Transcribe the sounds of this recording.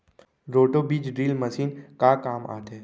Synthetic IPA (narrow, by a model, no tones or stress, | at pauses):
ɾoːʈobiːd͡ʒɖɾiːlmɐsiːnkakaːma̰ːt̪ɦɛ